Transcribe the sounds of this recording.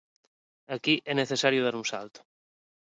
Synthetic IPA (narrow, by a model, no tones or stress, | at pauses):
akiʔɛneθesaɾjuð̞aɾunsa̰lt̪o̥